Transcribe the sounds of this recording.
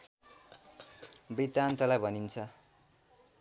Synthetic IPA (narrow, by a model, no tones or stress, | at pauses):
bit̪ant̪ʌlajbʱʌnint͡sʰʌ